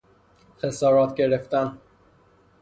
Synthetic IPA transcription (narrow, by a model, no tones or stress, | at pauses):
xesɒːɾɒːt̪ʰɟe̞ɾeft̪æn